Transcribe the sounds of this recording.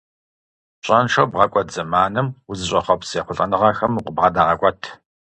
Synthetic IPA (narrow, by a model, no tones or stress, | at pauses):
ɕʼɐnʂɐwbʁɐkʷʼɔd͡zɐmaːnɨmwʊzɨɕʷʼɐχɐpsjɛχʷʊɬʼɐnɨʁɐxɐmuqʷʊbʁɐdaːʁɐkʷʼɔtʰ